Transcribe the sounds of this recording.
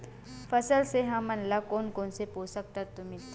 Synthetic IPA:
fəsəlseɦãmənlakonkonseposək̚t̪at̪ːum̤iː

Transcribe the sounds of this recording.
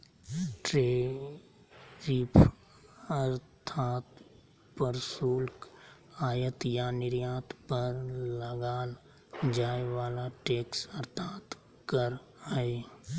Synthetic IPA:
ʈɾeː | ɾiːpʰ | əɾt̪ʰaːt̪ | pəɾsuːlk | aːjət̪janɪɾjaːt̪pəɾləɡaːl | d͡ʒaːeʋaːlaʈeːksɐɾt̪ʰaːt̪ | kəɾɦəe

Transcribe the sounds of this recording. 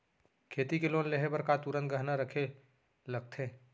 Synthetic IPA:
kʰeːt̪ikeloːnleɦebəɾkat̪uɾə̃nt̪̚ɡəɦnaɾəkʰe | ləɡ̚t̪ʰẽː

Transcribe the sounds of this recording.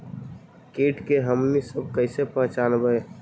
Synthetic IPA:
keːʈkeɦəmnisəb̚kəɪsepɐɦt͡ʃaːnbəe

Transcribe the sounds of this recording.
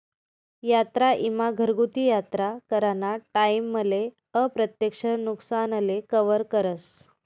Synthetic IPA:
jat̪ɾaʔimaɡʱəɾɡut̪ijat̪ɾakəɾanaʈaimːədle | əpɾət̪jəkʂənuksanəlekəʋəɾkəɾəs

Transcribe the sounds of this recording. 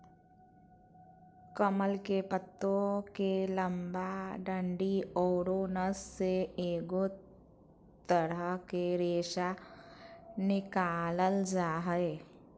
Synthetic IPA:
kəməlkepət̪ːõkeləmbaɖə̃ɳɖiɔːɾonəsseeːɡo | t̪əɾəkeɾeːʃa | nɪkaːləld͡ʒaːɦəe

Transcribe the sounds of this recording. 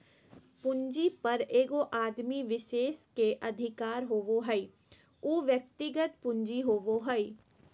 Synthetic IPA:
pʊɲd͡ʒipɐɾeːɡoʔaːd̪miʋɪʃeːskeʔɐd̪ʱɪkaːɾɦoːʋoɦɐi | uːʋjək̚t̪ɪɡət̪̚pʊ̃ɲd͡ʒiɦoːʋoɦɐi

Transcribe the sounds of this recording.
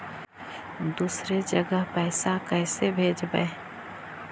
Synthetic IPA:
d̪uːsɾed͡ʒəɡəɦpɛːsakɛːsebʱeːd͡ʒbə̰e

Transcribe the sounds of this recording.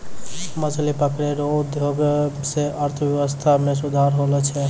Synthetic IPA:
məd͡ʒʰlipəkɾeɾoud̪ʱjoɡseʔəɾt̪ʰəbjeʋəst̪ʰames̬ud̪ʱaɾɦolɛt͡ʃʰɛ

